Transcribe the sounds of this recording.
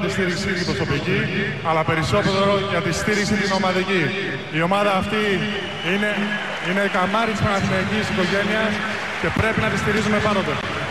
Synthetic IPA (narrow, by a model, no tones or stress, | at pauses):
t̪ist̪iɾiksit̪ipɾo̞so̞pici | ɐlɐpe̞ɾiso̞t̪eɾeɾoʝɐt̪ist̪iɾiksit̪ino̞mɐðici | io̞mɐðɐːft̪i | ine̞ | ine̞kɐmɐɾit̪ispɐnɐθineɟisiko̞ʝe̞niɐs | ce̞pɾe̞pinɐt̪ist̪iɾizume̞pɐnot̪e